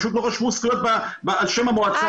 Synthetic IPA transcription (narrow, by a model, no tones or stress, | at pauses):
ʃuːt̪̬loχaʃmuskijot̪̚babaalʃemamoat͡sa